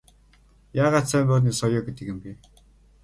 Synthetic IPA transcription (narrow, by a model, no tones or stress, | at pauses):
jaːʁaːt̪sœːmɔːrniːsɔjɔːɡet̪ɘ̆kɘ̆mpi